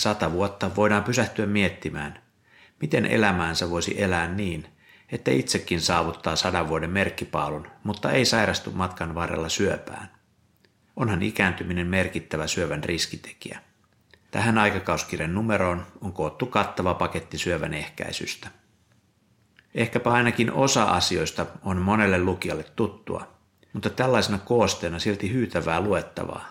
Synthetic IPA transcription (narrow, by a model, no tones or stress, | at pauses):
sɑt̪ɑʋuot̪ːɑʋo̞jdɑːmpysæht̪yæmmie̞t̪ːimæ̰ːn | mit̪e̞nʔe̞̰læmæːnseʋo̞jsḭʔe̞læːnːiːn | e̞t̪ːæit̪sekːinsɑːʋut̪ːɑːsɑdɑʋːuode̞mme̞rkːipɑːlunmut̪ːɑe̞jsɑjɾɑst̪ummɑt̪kɑnʋɑːɾḛlːɑsyøpæ̰ːn | o̞nhɑnḭkæːnt̪ymine̞mme̞rkit̪ːæʋæsyøʋænrʔiskit̪e̥kiæ̰ | t̪æ̰ɦænɑjkɑkɑusk̟irenːume̞ɾo̞ːnoŋko̞ːt̪ːukɑt̪ːɑʋɑpɑke̞t̪ːisyøʋæ̰ne̞hkæ̰isy̰st̪æ̥ | e̞hkæpæɑjnɑkinʔo̞sɑʔɑ̰sio̞jst̪ɑonmo̞ne̞lːeluk̟iɑlːet̪ːut̪ːṵɑ̰ | mut̪ːɑt̪ælːæjsenɑko̞ːst̪e̞ːnɑsilt̪ihyːt̪æʋæːlue̞t̪ːɑ̰ʋɑ̰ː